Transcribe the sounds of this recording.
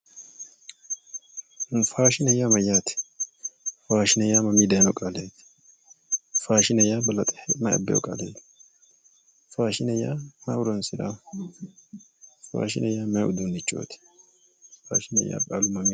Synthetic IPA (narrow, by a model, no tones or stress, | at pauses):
faːʃɪnɛjːamɐjːaːt̪ɪ̥ | faːʃɪnɛjaːmɐmiːd̪ɐjnɔkʼaleːt̪ | faːʃɪnɛjabɐlɐt̪ʼɛmɐɐ̰bːɛ̰jɔ̰kʼa̰leːt̪ | faːʃɪnɛjamɐ̰ʊɾɔnsɪd̪a̰ | fa̰ːʃɪ̰nʔɛjaːmɐʊd̪unɪt͡ʃʼːo̰ːt̪ | fa̰ːʃɪnɛ̰jːa̰ːkʼa̰ːlʊmɐmi